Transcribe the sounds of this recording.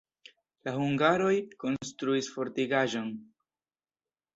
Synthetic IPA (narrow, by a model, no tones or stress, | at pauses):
lahuŋɡaɾo̞jko̞nstɾuisfo̞ɾtiɡaʒo̞n